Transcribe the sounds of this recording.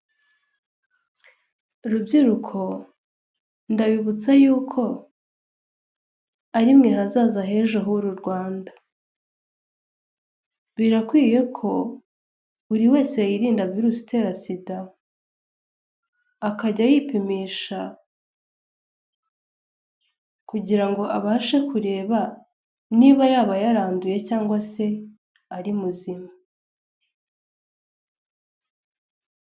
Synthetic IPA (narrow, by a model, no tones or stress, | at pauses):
ɾubɟiɾukʰo̞ | ndaβiβut͡sajuːkʰo̞ | aɾimŋe̞ɦazaːzaɦe̞ʒoɦuɾuɾɡwaːndḁ | βiɾakwiːje̞kʰo̞ | uɾiwe̞ːsejiɾiːndaviɾusi̥te̞ɾasida | kaɟajipimiːʃa | kuɟiɾaŋɡo̞ʔaβaːʃe̞kuɾe̞ːβa | niβajaːβajaɾaːnduje̞caːŋɡwase̞ | aɾimuzima